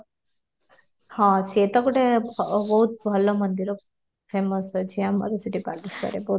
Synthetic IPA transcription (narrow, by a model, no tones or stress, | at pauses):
hãset̪ɔkuʈebbɔɦut̪̚bʱɐlɔmənd̪iɾɔ | pʰeməsɔt͡ʃʰiama̰ɾesəʈipaɾʈiskɐ̰ɾebɔɦ